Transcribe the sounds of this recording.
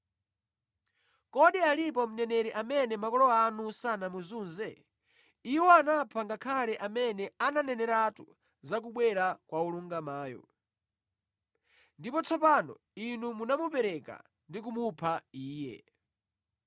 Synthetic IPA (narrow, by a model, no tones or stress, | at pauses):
kɔɗialipɔm̩nɛnɛɾɛʔamɛnɛmakɔlɔanusanamuzuːnzɛ | iwɔanapʰaŋɡakʰalɛʔamɛnɛananɛnɛɾatṵ | zakuɓwɛɾakwauluŋɡamaːjɔ̰ | ndipɔt͡sʰɔpanɔ̰ | inumunamupɛɾɛka̰ | ndik̬umupʰaiːjɛ̰